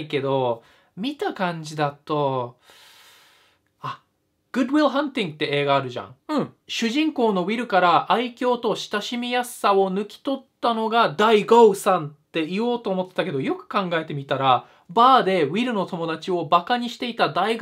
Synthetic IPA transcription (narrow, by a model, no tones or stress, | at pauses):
ike̞d̪o̞ | mʲit̪akãɲ̟d͡ʑid̪at̪o̞ | a | ɡ̥ɯ̟d̪wiɾɦãnt̪ĩŋɡɯt̪ːe̞e̞ːɡaːɾɯ̟ʑã̰ŋ̃ɕɨʑĩŋko̞ːno̞βʲiɾɯ̟kaɾaʔaikʲo̞ːt̪o̞ɕi̥t̪aɕimʲijasao̞nɯ̟kʲi̥t̪o̞t̪ːano̞ɡad̪aiɡoɯsãnt̪ːe̞ijo̞ːt̪o̞ːmo̞t̪ːet̪ake̞d̪o̞jo̞kɯ̟̥kãŋɡae̞t̪e̞mʲit̪aɾa | baːd̪e̞βʲiɾɯ̟no̞t̪o̞mo̞d̪at͡ɕio̞bakaɲ̟iɕi̥t̪e̞it̪ad̪aiɡ